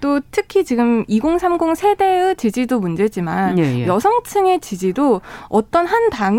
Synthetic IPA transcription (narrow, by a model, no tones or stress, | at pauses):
t͈otʰɯkʰit͡ɕiɡɯmiɡoŋsʰamɡoŋsʰe̞de̞ɯt͡ɕid͡ʑidomund͡ʑe̞d͡ʑimanjʌsʰʌŋt͡ɕʰɯŋe̞t͡ɕid͡ʑidoʌt͈ʌnɦantaŋ